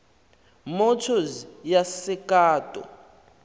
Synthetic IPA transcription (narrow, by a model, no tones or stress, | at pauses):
mɔtʰɔzjasɪkʼaːtʼɔ̰